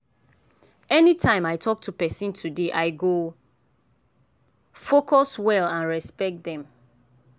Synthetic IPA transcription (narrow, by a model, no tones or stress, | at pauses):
ɛnitʰãɪ̃maɪtʰɔk̚tʰupɛsĩntʰudeʔaɪɡo | fokɔswɛlãnɹɛspɛk̚t̚dɛ̃m